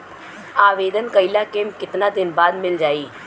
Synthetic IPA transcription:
aːʋeːd̪ənkəilaːkeːmkɪt̪naːd̪ɪnbaːd̪mɪld͡ʒaːiː

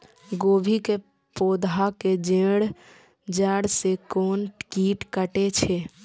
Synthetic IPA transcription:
ɡoːbʱike | poːd̪aked͡ʒẽːɽ | d͡ʒɛːɽsekɔːnʈkiːʈkəʈet͡ʃʰe

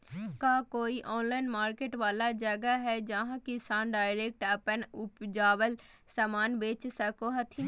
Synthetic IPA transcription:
kaːkoːiʔɔːnlaːɪnmaːɾkeːʈʋaːlad͡ʒəɡaɦɛd͡ʒɐɦãkɪsaːnɖaːɪɾeːk̚ʈəpənʊpd͡ʒaːʋəl | samaːnbeːt͡ʃsɐkoɦɐt̪ʰi

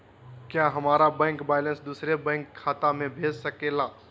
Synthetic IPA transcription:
kjaːɦɐmaːɾabɛ̃ːŋkbaːɪlə̃nsd̪uːsɾebɛ̃ːŋkʰːaːt̪amẽbʱeːd͡ʒsəkeːlaː

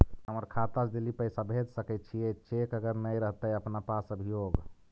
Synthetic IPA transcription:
ɦəməɾkʰat̪at͡ʃd̪elipəɪsabʱed͡ʒ̪səkɛt̪̚t͡ʃʰijɛt͡ʃekəɡəɾnəjɾəɦt̪əjəpnapasəbʱijoɡ

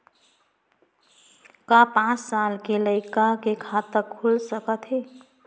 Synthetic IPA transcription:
kapãt͡ʃsalkeləɪkakekʰat̪əɾkʰulsəkət̪ʰɦe

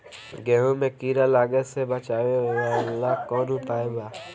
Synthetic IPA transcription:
ɡeɦõmẽkiːɾaːlaːɡesebət͡ʃaːoalːaːkɔ̃ːnũpaːebaː

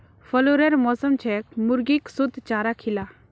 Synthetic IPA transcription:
fʰəloɾeɾmɔsəmt͡ʃʰɛkmuɾɡiksud̪ʱt͡ʃaːɾakʰila

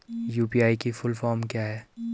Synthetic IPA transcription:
juːpiːaːikifʊlfɔːɾmkjaːɦɛː

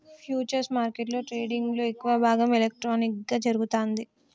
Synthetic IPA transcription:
pʰjuːt͡ʃɐɾsmaːɾkeʈlo̞ːʈɾe̞ːɖiŋɡlo̞ːekːuʋɐbʱaːɡɐmelek̚ʈɾoːnikɡaːd͡ʒɐɾuɡut̪oːnd̪i

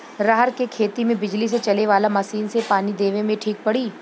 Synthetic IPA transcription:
ɾaɦəɾkekʰeːt̪imẽbɪd͡ʒlis̬et͡ʃɐleʋaːlamɐʃiːnsepaːnid̪eːʋẽmẽʈʰiːk̚pɐɽiː

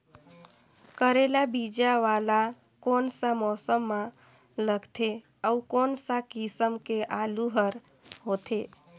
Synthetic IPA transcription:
kəɾelabid͡ʒaʋala | konsamɔsəmːã | ləɡt̪ʰe | əukonsakisəmkeʔaluɦəɾ | ɦot̪ʰe

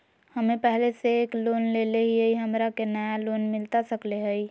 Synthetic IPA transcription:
həmepɛɦleseːklonleleɦiəiɦəmɾakenəjalonmilt̪asəkleɦəi

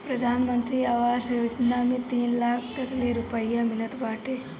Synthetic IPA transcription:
pɾɐd̪ʱaːnmənt̪ɾiːaʋasjod͡ʒnamit̪iːnlaːk̚ʰt̪ɐkleɾupəjamilət̪ʋaːʈe

